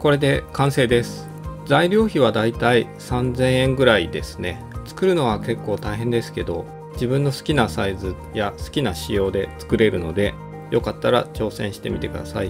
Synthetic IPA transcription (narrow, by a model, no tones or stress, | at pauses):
ko̞ɾe̞d̪e̞kãɰ̃se̞ːd̪e̞sɨ̥ | zaiɾʲjo̞ːçiβad̪ait̪ai | sãnzẽ̞ɰ̃ẽ̞ŋɡɯ̟ɾaid̪e̞̰sɨ̥ne̞ | t͡sɨ̥kɯ̟ɾɯ̟no̞βake̞kːo̞ːt̪aiɦẽnd̪e̞sɨ̥ke̞d̪o̞ | d͡ʑibɯ̟̃nːo̞sɨ̥kʲinasaizɨ | jasɨ̥kʲinaɕijo̞ːd̪e̞t͡sɨ̥kɯ̟ɾe̞ɾɯ̟no̞d̪e̞ | jo̞kat̪ːaɾa̰t͡ɕo̞ːsẽ̞ɰ̃ɕi̥t̪e̞̰mʲit̪e̞kɯ̟d̪asa̰i